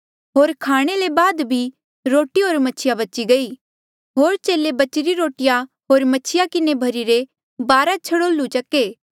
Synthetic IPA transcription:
ɦoːɾkʰaːɽ̃elebaːd̪bʱi | ɾoːʈiɦoːɾmɐt͡ʃʰɪjabɐt͡ʃiɡɐi | ɦoːɾt͡ʃeːlebɐt͡ʃɪɾiɾoːʈɪja | ɦoːɾmɐt͡ʃʰɪjakɪnebʱɐɾiɾe | baːɾat͡ʃʰɐɽoːlut͡ʃɐkeː

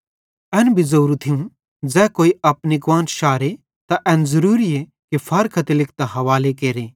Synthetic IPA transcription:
ɛːnbʱizɐɾũt̪ʰijũ | d͡zɛːkoːiɐpniɡʋãːnʃaːɾe | t̪aʔɛːnzɐɾuːɾie | kipʰɐɾkʰɐt̪elɪk̚ʰt̪ɐɦɐʋaːlekeːɾeː

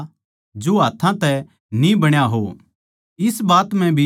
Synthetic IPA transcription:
d͡ʒoɦaːt̪ʰãt̪ɛ | nĩbɐɽ̃jaɦo | ɪsbaːt̪m̤ɛ̃bʱi

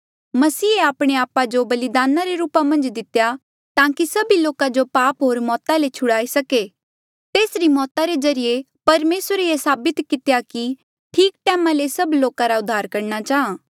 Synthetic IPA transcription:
mɐsiːeaːpɽ̃eaːpad͡ʒobɐlɪd̪aːnaɾeɾuːpamɐ̃nd͡ʒd̪ɪt̪ja | t̪ãːkisɐbiloːkad͡ʒopaːpɦoːɾmɔːt̪alet͡ʃʰʊɽaːisɐke | t̪eːsɾimɔːt̪aɾezɐɾije | pɐɾmeːsɾeesaːbɪt̪kɪt̪ejaki | ʈʰiːk̚ʈɛːmalesɐbloːkaɾaʊd̪ʱːaːɾkɐɾñat͡ʃaːɦãː

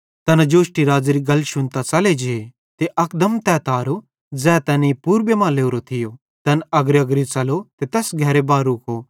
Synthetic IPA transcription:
t̪ɐnd͡ʒoːʃʈiɾaːd͡zɾiɡɐlʃʊnt̪at͡sɐled͡ʒee | t̪eʔɐkd̪əmt̪ɛːt̪aːɾo | d͡zɛːt̪ɛnepuːɾbemãːleːuɾot̪ʰɪjo | t̪ɐnɐɡɾɐɡɾit͡sɐlot̪et̪ɛːsɡʱɛːɾebaːɾuːkoː

